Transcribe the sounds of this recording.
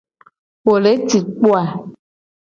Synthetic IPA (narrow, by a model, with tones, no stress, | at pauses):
wo˨le˨˦ti˨k͡po˦a˨